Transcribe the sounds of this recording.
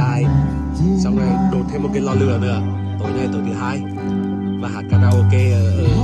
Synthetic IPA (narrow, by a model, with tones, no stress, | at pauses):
aː˧˩j | sa˧wŋ͡ma˧ɗo˨˩t̪̚ʰe˧mo˨˩kaː˨˦jlɔ˧lɨ̰˨˧˩ənɨ̰˧˩ə | t̪o˨˦ŋɛ˧t̪o˨˩t̪ʰɨ˨˦ɦaː˧j | vaː˨˩ɦaː˨˩t̚kaː˧naː˧ʔo˧ke˧